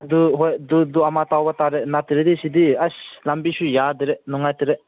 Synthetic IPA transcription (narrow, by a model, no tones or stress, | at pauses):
d̪uɦɔjd̪ud̪uamat̪awbat̪aɾɛnat̪iɾed̪isid̪iaslambiʃujad̪iɾɛʔnuŋajt̪iɾɛʔ